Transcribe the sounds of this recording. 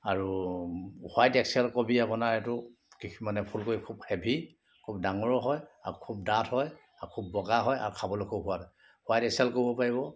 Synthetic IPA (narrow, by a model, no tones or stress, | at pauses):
aɹu | hwajtɛksɛlkobʱiapɔnaɹetʊ | kikʰimanɛpʰulkoɹikʰubhɛbʱi | kʰub̚daŋɔɹɔɦɔja̰kʰub̚datʰhɔj | akʰubːɔɡaɦɔja̰ɹukʰabɔlojkʰubɦʊwada | hʊajtɛksiɛlkoɹibɔpaɹibɔ